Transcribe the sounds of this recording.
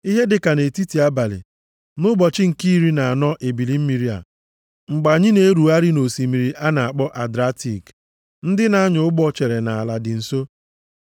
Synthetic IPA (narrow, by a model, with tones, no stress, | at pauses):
i˦ɦe˦dɪ˨ka˨ne˨ti˦ti˨a˦ba˨lɪ̰˨ | nʊ˦bɔ˨t͡ʃɪ˦ŋ̩˨ki˦ɾi˦na˨a˨nɔ˦ʔe˨bi˨li˦m̩˦mi˨ɾi˦a̰˨ | ŋ͡m̩˨ɡ͡ba˨ɲɪ˦ne˦ɾu˨a˦ɾɪ˦no˨si˨mi˨ɾi˨ʔa˦na˨a˨k͡pɔ˦ʔa˨dɾa˦ti˨k | n̩˦dɪ˦na˦ɲʊ˨ʊ˦ɡ͡bɔ˦t͡ʃe˨ɾe˨na˨a˨la˨dɪ˨n̩˨so˦